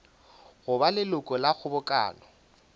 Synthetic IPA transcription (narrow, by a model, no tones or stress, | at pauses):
ɣʊbalɪlʊkʼɔlaɣʰʊbʊkʼa̰ːlɔ